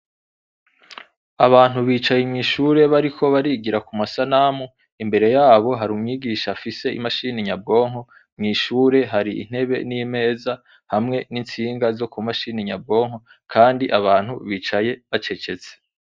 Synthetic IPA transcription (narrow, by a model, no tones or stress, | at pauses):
aβaːn̥huβiːt͡ʃajemŋiːʃuːɾe̞βaɾikʰo̞βaɾiːɡiɾakumasanamu | imbe̞ɾe̞jaːβo̞ɦaɾumŋiːɡiːʃafise̞ḭmaʃiːniɲab̚ɡo̞ːŋo̞ | mŋiːʃuːɾe̞ɦaɾiḭn̥he̞βe̞̰nime̞ːza | hamŋe̞nint͡siːŋɡazo̞kumaʃiːniɲab̚ɡo̞ːŋo̞ | kʰaːndiʔaβaːn̥huβiːt͡ʃaje̞βat͡ʃe̞t͡ʃe̞t͡se̥